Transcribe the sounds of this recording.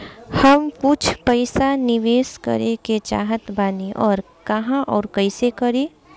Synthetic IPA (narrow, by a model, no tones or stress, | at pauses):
hɐmkʊt͡ʃʰpəɪsanɪʋeːskə̰ɾeket͡ʃa̰ːɦət̪baːniʔɔːɾ | kɐɦãʔɔːɾkəɪsekəɾeː